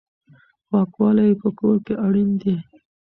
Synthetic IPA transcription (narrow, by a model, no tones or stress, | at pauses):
xwɑkwɑlajpəkoɾkeʔaɽind̪i